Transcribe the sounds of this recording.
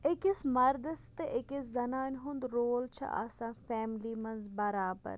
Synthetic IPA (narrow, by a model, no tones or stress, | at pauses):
ɪkɪsmɐɾd̪əst̪eʔɪkɪszɐnaːnʲɦʊnd̪ɾoːlt͡ʃʰɐ̰ʔɐ̰sãːfɛːmliːmɐnzbəɾaːbə̰ɾ